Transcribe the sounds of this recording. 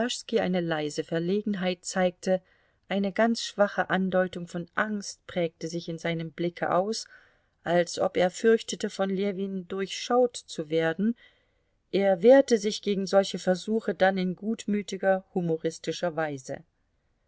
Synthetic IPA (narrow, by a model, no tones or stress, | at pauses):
aʃskiʔa̰ɪnəlaɪzəfɛɐleːɡŋ̩ɦaɪt̚t͡saɪk̚tʰə | ʔaɪnəɡant͡sʃv̥aχəʔandɔʏtʊŋfɔnʔaŋst̚pʁ̥ɛːk̚təzɪçɪnzaɪnəmblɪkʰə̰ʔa̰ʊs | ʔalsʔɔpeːɐfʏɐçtətəfɔnleviːndʊɐçʃaʊtt͡suveːɐdn̩ | ʔeːɐveːɐtəzɪçɡ̥eːɡŋ̩zɔlçəfɛɐzuːxədanɪnɡuːtmyːtɪɡɐhumoʁɪstɪʃɐvaɪzə̰